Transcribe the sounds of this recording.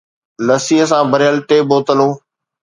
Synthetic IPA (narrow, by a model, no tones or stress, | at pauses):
ləsiːɦəsãːbʱəɾjəlʈeːboːt̪əlõː